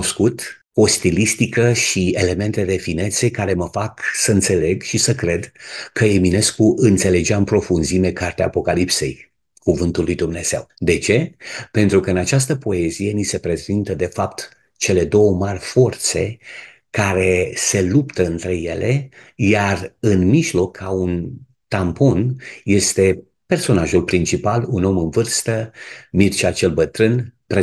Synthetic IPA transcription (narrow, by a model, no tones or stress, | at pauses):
oskut̪ | o̞st̪ilist̪ikəʃie̞le̞me̞nt̪e̞d̪e̞fine̞t̪se̞kaɾe̞məfaksəɨnt̪se̞le̞ɡʃisəkɾe̞d̪kəemine̞skuʔɨnt̪se̞le̞d͡ʒeaɨmpɾo̞funzime̞kart̪eaːpo̞kalipse̞̰j | kuvɨnt̪ulːujd̪umne̞z̥e̞wd̪e̞t͡ʃe̞pe̞nt̪ɾukəɨnat͡ʃas̬t̪əpo̞e̞zije̞nise̞pɾe̞zint̪əd̪e̞fapt̪ | t͡ʃe̞le̞d̪o̞wəmarʲfo̞rt̪se̞̰ | kaɾe̞se̞lupt̪əɨnt̪ɾe̞je̞le̞jarɨnmiʒlo̞kʰːaun | t̪amponje̞st̪e̞ | pe̞rso̞naʒulpɾint͡ʃipaluno̞mɨnvɨrst̪əmirt͡ʃat͡ʃe̞lbət̪ɾɨnpɾe